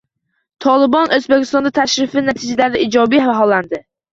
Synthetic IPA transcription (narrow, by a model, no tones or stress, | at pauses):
t̪ʰɒlˠɪbɒnʔɵzbekʲʰɪst̪ɒnd̪at̪ʰaʃɾɪfɪnat̪ʰɪd͡ʒalaɾd̪ɪʔɪd͡ʒɒbijvaɦɒlˠːand̪ɪ